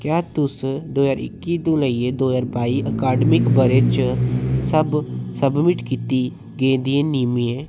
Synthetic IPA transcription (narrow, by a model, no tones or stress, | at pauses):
kjaːt̪ʊsd̪oːzaːɾɪ̰kːiːd̪õːləieːd̪oːzaːɾbaːiːʔəkaːɖmɪkbəɾeːt͡ʃsəbsəbmɪʈkiːt̪iː | ɡẽːd̪iẽːniːmĩːɛ̃ː